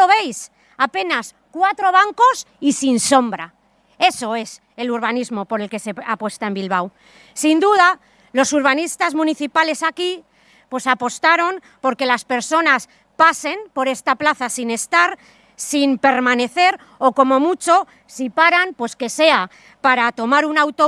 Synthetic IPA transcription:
oβe̞js | ape̞nas | kwat̪ɾo̞β̞aŋko̞s | isinso̞mbɾa | e̞so̞e̞s | e̞luɾβanizmo̞po̞ɾe̞lke̞se̞apwe̞st̪ae̞mbilβ̞aw | sind̪uð̞a | lo̞suɾβanist̪azmũniθipale̞saki | pwe̞sapo̞st̪aɾo̞m | po̞ɾke̞laspe̞ɾso̞nas | pase̞mpoɾe̞st̪aplaθasine̞st̪aɾ | simpe̞ɾmãne̞θe̞ɾ | o̞ko̞mo̞mut͡ʃo̞ | sipaɾampwe̞ske̞se̞a | paɾat̪o̞maɾunawt̪o

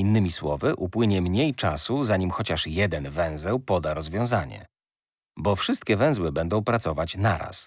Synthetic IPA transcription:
inːɘmʲiswɔvɘʔupwɘɲɛmɲejt͡ʂasuzaɲimxɔt͡ɕaʂjɛd̪ɛnvɛ̃w̃zɛwpɔd̪aɾɔzvʲjɔ̃w̃zaɲɛ̰ | bɔfʂɘst̪̚kʲɛvɛ̃w̃zwɘbɛnd̪ɔ̃w̃pɾat̪sɔvat͡ɕnaɾa̰s

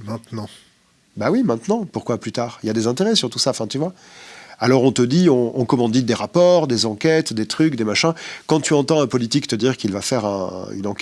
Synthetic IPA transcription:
mɛ̃t̪nɑ̃ | bawimɛ̃t̪nɑ̃puʁkwaplyt̪aːʁiljad̪ezɛ̃t̪eʁɛsyʁt̪usaɑ̃fɛ̃t̪yvwa | alɔʁɔ̃t̪əd̪iɔ̃ʔɔ̃kɔmɑ̃d̪it̪̚d̪eʁapɔʁd̪ezɑ̃kʲɛt̪d̪et̪χykd̪emaʃɛ̃kɑ̃t̪yɑ̃t̪ɑ̃ɛ̃pɔlit̪ikt̪əd̪iʁkilvafɛʁɛ̰̃y̰nɑ̃kɛ

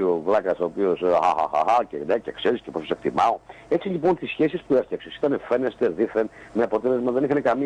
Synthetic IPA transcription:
ovlɐkɐsoːpiosxa̰xa̰xa̰xɐcenecekseɾisceposɐsek̚t̪imɐo̞ | e̞t͡silipo̞nt̪isçesispuefçɐksesi̥t̪ɐnefe̞nest̪e̞ðiθenmeɐpo̞t̪e̞le̞zmɐðe̞nixɐnekɐmi

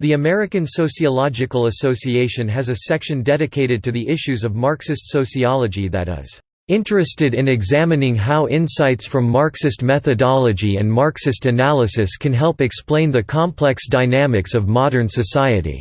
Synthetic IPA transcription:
ðiɨmɛɹɨkɨ̃nsoʊsiəlɑd͡ʒɨkəl̩ˠəsoʊsieɪʃɨ̃nɨzɨsɛkʃɨ̃ndɛɾɨkʰeɪɾɨd̚tʰɨðiʔɪʃʉzʌvmɑɹksɨstsoʊsiɑlˠəd͡ʒiðɨ̰ɾ̚ʌ̰z̥ | ɪ̃ntɹ̥ɨstɨɾɨ̃nɨɡzæmɨnɪ̃ŋɦaʊʔɪ̃nsaɪtsfɹʌ̃mːɑɹksɨstmɛθɨdɑlˠəd͡ʒiɨ̰̃nmɑɹksɨstɨnælˠəsɨskʰɨ̃nɦɛlˠpɨksplẽɪ̃nðɨkʰɑ̃mpʰl̥ɛksd̥aɪnæmɨksʌvmɑɾə̃˞nsɨsaɪɨ̰ɾḭ

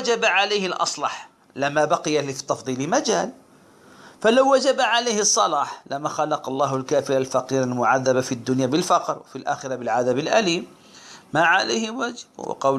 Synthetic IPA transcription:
d͡ʒabaʕalajhɪlʔɑ̰sˤlɑħ | lamːabaqɪjafi̥t̪ɑfd̪ˤiːlɪmad͡ʒaːl | falawːad͡ʒabaʕalajhɨsˤːɑlɑːħlamaxɑlɑqɑlˤːɑːɦalkaːfɪɾalfɑqiːɾalmʊʕaðːabafid̪ːʊnjaːbɪlfɑqɾwa̰filʔa̰ːxɪɾabɪlʕaðabɪlʔa̰liːmː | aʕalajhɪwad͡ʒɪbwɪ̰qɑw

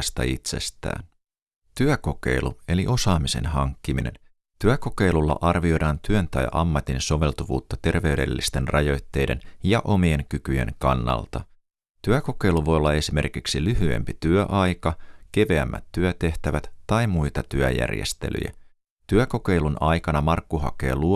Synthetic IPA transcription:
st̪ɑ̰it̪se̞̰st̪æ̰ːn | t̪yæko̞ke̞̰jlue̞liʔo̞sɑːmise̞̰nɦɑŋkːiminḛn | t̪yæko̞ke̞jlulːɑ̰ʔɑrʋio̞jdɑːnt̪yønt̪ɑjʔɑmːɑt̪inso̞ʋe̞lt̪uʋṵːt̪ːɑt̪e̞rʋe̞yde̞̰lːist̪e̞nrʔɑjo̞jt̪ːe̞jde̞̰njɑʔo̞mie̞ŋkykyje̞̰ŋkɑnːɑ̰lt̪ɑ | t̪yæko̞ke̞jluʋo̞jolːɑe̞sime̞̰rkiksilyɦye̞̰mpit̪yøʔɑjkɑke̞ʋeæmːæ̰t̪ːyøt̪e̞ht̪æʋæt̪ːɑjmujt̪ɑt̪yæ̰jæ̰rjḛst̪e̞̰lʔy̰jæ̰ | t̪yæko̞ke̞jlunɑjkɑnɑmɑrkːuɦɑ̰ke̞̰ːlu

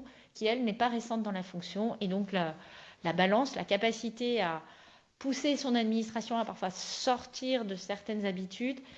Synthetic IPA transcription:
kʲiɛlnɛpaʁesɑ̃t̪̚d̪ɑ̃lafɔ̃ksjɔ̃ed̪ɔ̃klalabalɑ̃slakapasit̪ea | pusesɔ̃nad̪minist̪χasjɔ̃apaʁfwasɔʁt̪ʰiʁd̪əsɛʁt̪ɛnzabit̪ʰyd̪

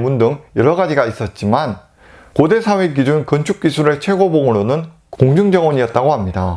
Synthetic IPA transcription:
mundɯŋjʌɾʌɡad͡ʑiɡais͈ʌt̚t͡ɕ͈iman | kode̞sʰawe̞kid͡ʑunkɯnt͡ɕʰuk̚k͈isʰuɾet͡ɕʰwe̞ɡoboŋɯɾonɯn | koŋd͡ʑɯŋd͡ʑʌŋʌɲiʌt̚t͈aɡohamɲida

